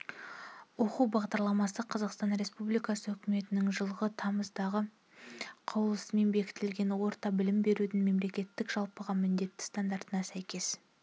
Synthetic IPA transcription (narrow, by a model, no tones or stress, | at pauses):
wo̞quwbɑʁd̪ɑɾlˠɑmɑsəqʰɑzɑqst̪ɑnɾe̞spublijkɑsəɵkʲɪme̞t̪ɪnɪŋʒəlˠʁət̪ʰɑməzd̪ɑʁə | qʰɑwlˠəsme̞nbe̞kʲɪ̥t̪ɪlɡʲe̞nwo̞ɾt̪ɑbɪlɪmbe̞ɾud̪ɪnme̞mle̞kʲe̞t̪ːɪkʒ̥ɑlˠpəʁɑmɪnd̪e̞t̪ːɪ̥st̪ɑnd̪ɑɾt̪ənɑsæjkʲe̞s